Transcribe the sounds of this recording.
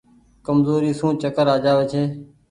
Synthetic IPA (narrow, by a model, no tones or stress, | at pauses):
kəmzoːɾiːsũːt͡ʃəkəɾaːd͡ʒaːʋeːt͡ʃʰeː